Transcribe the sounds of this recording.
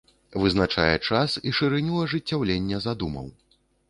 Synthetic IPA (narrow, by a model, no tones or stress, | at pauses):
vɨznat͡ʂa̰jɛ̰t͡ʂasiʂɨɾɨnʲilˠɐʐɨtt͡sʲːawlʲenʲːɛzad̪umɐ̰w